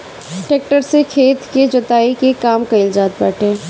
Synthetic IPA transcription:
ʈeːk̚ʈəɾsekʰeːt̪ked͡ʒʊt̪aːikekaːmkɐɪld͡ʒaːt̪̚bɛːʈẽː

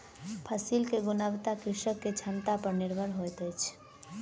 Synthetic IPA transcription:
pʰəsilkeɡunəʋt̪akɾiʃəkːet͡ʃʰənt̪apəɾniɾbʱəɾɦojt̪əjt͡ʃʰ

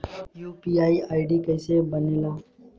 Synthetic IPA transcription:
juːpiaːiaːɪɖikɛːsebəneːlaː

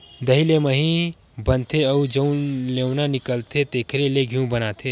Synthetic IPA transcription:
d̪əɦileməɦĩ | bənt̪ʰeəud͡ʒəũlewnanɪkəlt̪ʰet̪eːkʰɾeleɡʱijũbənat̪ʰe

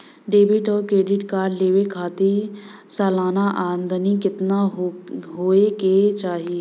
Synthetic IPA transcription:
ɖeːbɪʈɔːɾkɾeːɖɪʈkaːɾɖleːʋekʰaːt̪i | sɛːlaːnaʔaːɾə̃nd̪ʱnikɪt̪na | ɦoːeket͡ʃaːɦieː

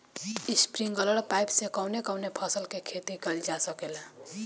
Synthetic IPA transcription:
ispɾiŋɡʌləɽpajpsekɔwnekɔwnepʰʌsəlkekʰet̪iɡʌld͡ʒasʌkel

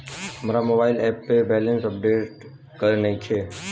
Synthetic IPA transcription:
ɦəmɾamoːbaːɪlɛːpːebɛːlə̃nsəp̚ɖeːʈ | kəɾnəɦĩt͡ʃʰeː

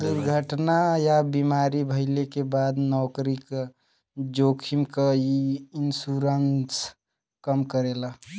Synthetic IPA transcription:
d̪uɾɡʱəʈnajabimaɾibʱəɪlekebad̪nɔʊkɾik | d͡ʒokʰimkəiinsuɾəns | kəmkəɾela

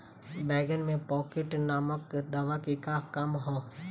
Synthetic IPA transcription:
bɛːɡənmẽpɔːkɪʈnaːməkd̪aːʋakikakamɦoː

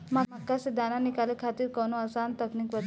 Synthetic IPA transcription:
maakːased̪jananikalekʰat̪iːɾkɔnoəsant̪əkniːkʋət̪

